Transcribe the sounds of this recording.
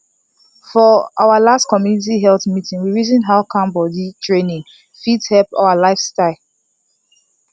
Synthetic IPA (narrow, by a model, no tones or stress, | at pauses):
fɔʔaʊalastkɔmjunit̬iɦɛlθmitĩŋwiɹizĩnɦaʊkʰãmbɔditʰɹẽnĩŋ | fidhɛlpa̰ʊalaɪfstaɪl